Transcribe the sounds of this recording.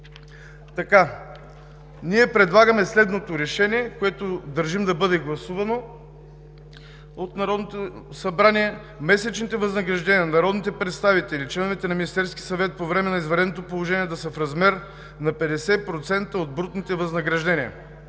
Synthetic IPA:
t̪ɐka | niɛpɾɛd̪lˠaɡəmɛslɛd̪not̪oɾɛʃɛniɛkoɛt̪od̪ɐɾʒimd̪ɐbɤd̪ɛɡlˠɐsuvɐno | ot̪nɐɾɔd̪not̪osɐbɾaniɛ | mɛsɛt͡ʃnit̪ɛvɐznɐɡɾɐʒd̪ɛniɐnɐɾɔd̪nit̪ɛpɾɛt̪st̪avit̪ɛlit͡ʃlɛnovit̪ɛnɐminist̪ɛɾskʲi̥sɐvɛt̪̚povɾɛmɛnɐizvɐɾɛd̪not̪̬opolˠoʒɛniɛd̪ɐsəfɾɐzmɛɾ | nɐpɛd̪ɛsɛpɾot̪sɛnt̪əod̪̚bɾut̪nit̪ɛvɐznɐɡɾɐʒd̪ɛnʲiɐ̰

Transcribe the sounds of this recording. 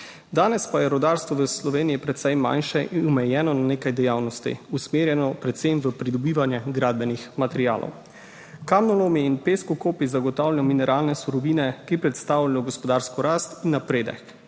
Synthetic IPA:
d̪aːnɛspajɛɾɔd̪aɾst̪ʋɔʋəslɔʋeːnijipɾɛt̪sɛjma̰nʃɛʔiɔmɛjɛːnɔnaneːkajd̪ɛjaːwnɔst̪ḭusmeːɾjɛnɔpɾɛt̪semʋəpɾid̪ɔbiːʋanjɛɡɾaːd̪̚bɛnixmat̪ɛɾija̰ːlʔɔ̰w | kamnɔlomiinpeskukoːpizaɡɔt̪aːwlʲajɔminɛɾʔaːlnɛsuɾɔʋiːnɛkipɾɛt̪st̪aːwlajɔɡɔspɔd̪aːɾskɔɾast̪inːapɾeːd̪ɛ̰k

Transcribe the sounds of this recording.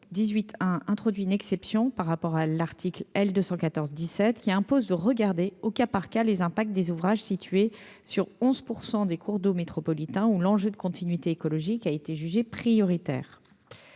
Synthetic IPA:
d̪izɥit̪ʰɛ̃ɛ̃t̪χɔd̪ɥiynɛksɛpsjɔ̃paʁːapɔʁalaʁt̪ʰiklɛld̪øsɑ̃kat̪ɔʁzd̪isɛt̪kʲiɛ̃pozd̪əʁəɡaʁd̪eokapaʁkalezɛ̃pak̚t̪̚d̪ezuvʁaʒsit̪ɥe | syʁɔ̃zpuʁsɑ̃d̪ekʰuʁd̪omet̪χɔpɔlit̪ɛ̃ulɑ̃ʒød̪əkɔ̃t̪ʰinɥit̪eːkɔlɔʒikaet̪eʒyʒepχijɔʁit̪ɛ̰ːʁ

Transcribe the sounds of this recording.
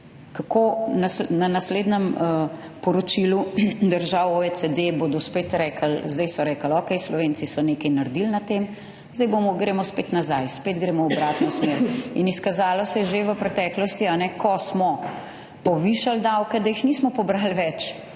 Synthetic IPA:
kakonasnanasleːd̪nɛm | pɔɾɔt͡ʃilud̪əɾʒaːwoesed̪eboːd̪ɔspeːt̪ɾɛːkʰəlzd̪ɐjsɔɾɛkəlɔːkɛjslɔʋeːnsisɔneːkɛjnaɾd̪ilnat̪em | zd̪ɛjbomɔɡɾeːmɔspeːt̪nazajspeːd̪ɡɾeːmɔɔbɾaːt̪nɔsmeːɾiniskazaːlɔsɛʒeʋəpɾɛt̪ɛːklɔst̪ianɛkʰɔsmɔ | pɔʋiʃald̪awkɛd̪ajixniːsmɔpɔbɾalʋɛt͡ʃ

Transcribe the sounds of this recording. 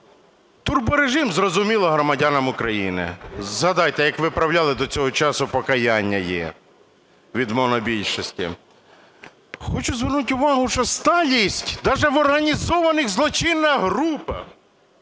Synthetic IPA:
t̪ʊrbʊɾeʒɪmzrɔzʊmʲilˠɔɦɾɔmɐdʲanɐmʊkɾɐjinɪ̰zɦɐd̪ɑjt̪ɛjɐkʋɪpɾɐwlʲalˠɪd̪ɔt͡sʲɔɦɔt͡ʃɑsʊpɔkɐjanʲːɐjɛ̰ | ʋʲid̪mɔnɔbʲilʲʃɔsʲtʲḭ | xɔt͡ʃʊzʋɪrnutʲʊʋɑɦʊʃɔst̪ɑlʲisʲtʲd̪ɑʒɛʋɔrɦɐnʲizɔʋɐnɪɣzlˠɔt͡ʃɪnːɐɦɾupɐ̰

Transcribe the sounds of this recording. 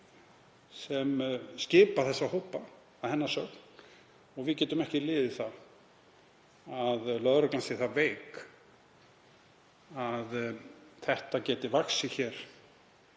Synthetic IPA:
sɛmscɪːpaθɛsːahowpa | aðhɛnːasœkn̥ | ɔɣvɪðcɛːt̪ʏmɛhcɪlɪːðɪθa | aðlœðɾak̪ansɪθaveːjk | aðθɛht̪acɛːt̪ɪvaksɪçɛɾ̥

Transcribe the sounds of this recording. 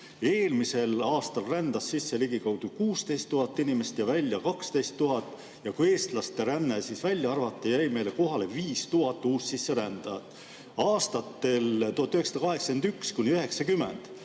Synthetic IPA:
e̞ːlmise̞lɑːst̪ɑlrænd̪̥ɑsːisːe̞liɡikɑwd̪̥ukuːst̪e̞jst̪ːuɦɑt̪ːˑinʲime̞st̪jɑvælʲːjɑkɑkst̪e̞jst̪ːuɦɑt̪ːˑ | jɑkue̞ːst̪lɑst̪e̞ɾænːesisvælʲjɑɑrvɑt̪ːˑejæjme̞jle̞ko̞ɦɑle̞viːst̪uɦɑt̪ːˑuːssisːe̞ɾænd̪̥ɑt̪ˑ | ɑːst̪ɑt̪ːe̞lt̪uhɑt̪ːˑyheksɑd̪ɑkɑɦe̞ksɑ̥kend̪ykskunʲiøɦe̞ksɑkymːe̞̰nd̪̥

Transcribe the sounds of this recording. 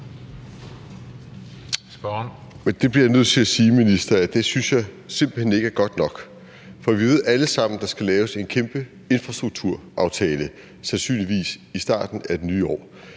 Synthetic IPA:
mend̥e̝b̥liɐjanøð̰ˠt͡sʰe̝æsiːminisd̥ɐæd̥e̝synsjɑ̈ɪse̝m̰b̥l̩hene̝ɡ̥əæɐɡ̥ɒ̽d̥nɒ̽ɡ̥ | fɒ̽ʋiʋe̝ð̞̰ˠæləsɑ̈m̰n̩d̥ɑ̈sɡ̥ælɛːʊse̝nkʰemb̥ə | e̝nfʁɑ̈sd̥ʁuɡ̥̚t͡sʰuɐ̰ʔɑ̈ʊt͡sʰɛːlə | sænsy̰ːnliʋḭːsisd̥ɑ̰̈ːd̥n̩æed̥nyːɒ̰ː

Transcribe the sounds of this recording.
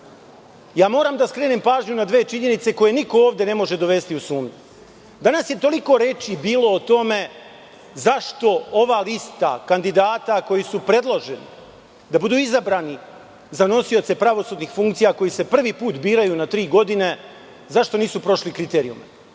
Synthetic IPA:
jaːmo̞ːɾaːmd̪askɾe̞ːnempaːʒɲunad̪ʋe̞ːt͡ʃiɲe̞nit̪se̞ko̞je̞niko̞oːʋd̪e̞ne̞mo̞ʒe̞d̪o̞ʋe̞st̪iusuːmɲu | d̪anasje̞t̪o̞liko̞ɾe̞t͡ʃibiːlo̞ːt̪o̞me̞ | zaʃt̪o̞o̞ʋaːlist̪a̰kand̪id̪aːt̪ako̞jisupɾe̞d̪lˠoʒe̞nḭ | d̪abud̪uːizabɾaːni | zano̞sio̞t̪se̞pɾaʋo̞suːd̪nixfuŋkt̪sijako̞jise̞pr̩ʋipuːt̪biːɾajunat̪ɾiːɡo̞d̪ine̞ | zaʃt̪o̞niːsupɾo̞ʃlikɾit̪e̞ːɾḭṵma

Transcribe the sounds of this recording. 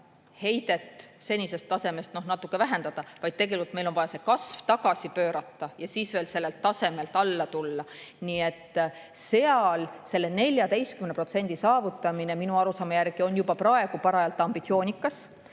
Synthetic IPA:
he̞jd̪e̞t̪ːˑse̞nʲise̞st̪ːɑse̞me̞st̪no̞hnɑt̪ːˑukːˑe̞væɦe̞nd̪ɑd̪̥ɑvɑjd̪̥̚t̪e̞ɡe̞likult̪melovɑjɑse̞kɑsvt̪ɑɡ̥ɑsʲipøːɾɑt̪ːˑɑjɑsiːsve̞ːlse̞lːelt̪ːɑse̞me̞lt̪ˑɑlːɑt̪ulːɑniːe̞t̪ː | se̞ɑlse̞lːene̞lʲjɑd̪e̞jst̪kymenpro̞t̪se̞nʲd̪̥isɑːvut̪ːˑɑmine̞minuɑɾusɑːmejærɡ̥io̞njubɑprɑe̞ɡ̥upɑɾɑjɑlt̪ːˑɑmb̥it̪sio̞ːnʲikːˑɑs

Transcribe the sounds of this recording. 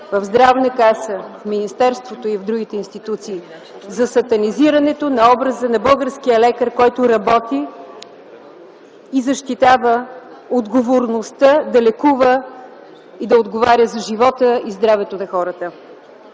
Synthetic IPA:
vəvzd̪ɾavnəkasəfminist̪ɛɾst̪vot̪oivvd̪ɾuɡ̟it̪ɛinst̪it̪ut̪siː | zɐsɐt̪ɐniziɾɐnɛt̪onɐɔbɾəzənɐbəlˠɡəɾsk̟ijəlɛkəɾkɔjt̪ʊɾɐbɔt̪i | zɐʃt̪it̪avə | od̪ɡovoɾnost̪əd̪ɐlɛkuvə | id̪ɐod̪ɡovaɾjəzɐʒivɔt̪əizd̪ɾavɛt̪onɐxɔɾət̪ə

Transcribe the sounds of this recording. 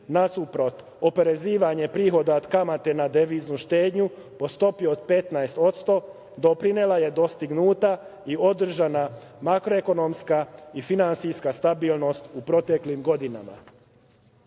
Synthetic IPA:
nasupɾo̞t̪ | ope̞ɾe̞ziːʋaɲe̞pɾiːxo̞d̪aod̪kamat̪e̞nad̪eʋiznuʃt̪e̞ːd̪ɲu | po̞st̪o̞pijood̪pe̞t̪naest̪o̞t̪st̪o̞ | d̪o̞pɾinelaje̞d̪o̞st̪iɡnuːt̪aio̞d̪r̩ʒana | makɾo̞eko̞no̞mskaifinant̪sijskast̪abiːlˠno̞st̪upɾo̞t̪e̞klimɡo̞d̪inama̰

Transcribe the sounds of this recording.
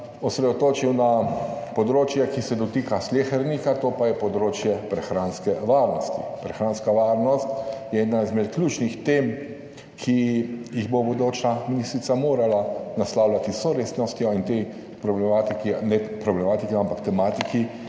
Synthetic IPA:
ɔsɾɛd̪ɔt̪oːt͡ʃiwnapɔd̪ɾoːt͡ʃjɛkisɛd̪ɔt̪ikaslʲexɛɾnikat̪oːpajɛpɔd̪ɾoːt͡ʃjɛpɾɛxɾanskɛʋaɾnɔst̪ḭpɾɛxɾaːnskaʋaːɾnɔst̪jɛɛːd̪nazmɛt̪klʲuːt͡ʃnixt̪eːm | kʰijiɣbobod̪oːt͡ʃaminist̪ɾit̪samoːɾalanaslawlʲat̪isɔɾeːsnɔst̪jɔint̪e | pɾɔblɛmaːt̪ikinɛpɾɔblɛmaːt̪ikɛampakt̪ɛmaːt̪iki

